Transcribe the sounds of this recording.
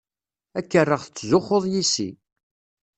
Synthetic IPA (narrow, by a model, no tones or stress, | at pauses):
ækːərːəʁθət͡sːzʊχːoðˤjisḭ